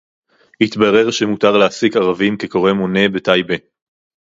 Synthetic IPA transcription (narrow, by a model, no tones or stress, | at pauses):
hit̪baʁe̞ʁʃemutaʁleasikaʁavimkeko̞ʁemone̞betajbe